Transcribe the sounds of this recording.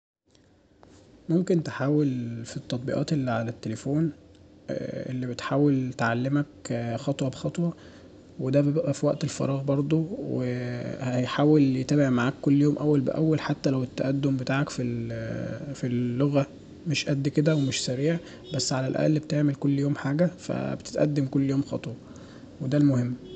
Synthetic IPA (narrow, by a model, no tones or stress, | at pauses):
momkent̪eħaːwelfit̪ˤːɑt̪̚ˤbḭʔɑ̰ːt̪ʔelːiʕalæt̪ːelefoːn | ʔḛlːibet̪ħaːwelt̪ʕalːemækxɑt̪ˤwɑbexɑt̪ˤwɑ | wed̪æbbeʔæfiwæʔt̪elfɑ̰ɾˤɑːɣbɑɾˤd̪ˤowehææjħaːweljet̪æːbeʕmaʕaːkːolːjoːmʔæwːælbḛʔæ̰wːælħat̪ːælæwet̪ːæʔæd̪ːombet̪aːʕækfil | filːoɣæ | meʃʔæd̪ːiked̪æwemeʃsæɾiːʕ | bæsːʕalælʔæ̰ʔlːbt̪eʕmelkolːjoːmħaːɡæfæ̰bet̪e̥t̪ʔæ̰d̪ːemkolːjoːmxɑ̰t̪ˤwɑ | wed̪ælmohemː